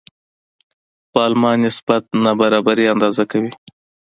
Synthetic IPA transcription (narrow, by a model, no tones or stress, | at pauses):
pɑːlmɑnɪsb̥at̪̚nabaɾɑbaɾiand̪ɑzakawi